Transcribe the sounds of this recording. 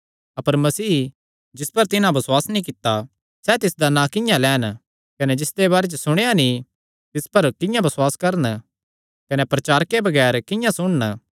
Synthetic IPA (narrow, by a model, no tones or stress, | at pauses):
ɐpəɾmɐsiː | d͡ʒɪspɐɾt̪ɪnãbɐswaːsnĩkɪt̪ːa | sɛt̪ɪsd̪anãkɪ̃jãlɛːn | kɐnɛd͡ʒɪsd̪ebaːɾed͡ʒosʊɽ̃ejani | t̪ɪspɐɾkɪ̃jãbɐswaːskɐɾən | kɐnɛpɾɐt͡ʃaːɾkebɐɡɛːɾkɪ̃jãsʊɽ̃ən